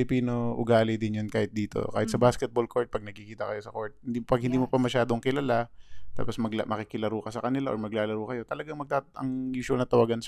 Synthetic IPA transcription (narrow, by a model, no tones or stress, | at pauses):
lɪpiːno̞ʔʊ̰ɡaːlɪd̪ɪnjonkaːhɪt̪̚d̪iːt̪o̞̰ka̰ːhɪt̪sɐbaskɛt̪̚bolkʰoɹt̪̚pɐɡ̚nɐɡ̚kɪkiːt̪ɐkɐjo̞sɐkoɹt̪̚hɪnd̪ipɐɡ̚hɪnd̪iːmopɐmɐʃaːd̪oŋkɪlalat̪a̰ːposmɐɡmʔɐkɪkɪlɐɾukɐsɐkɐnɪlaʔo̰ɹmɐɡ̚laːlɐɾuːkɐjo̞t̪ɐlɐɡaŋmɐɡ̚t̪aʔɐ̰ŋjuːsʊwɐlnɐt̪ɐwaːɡan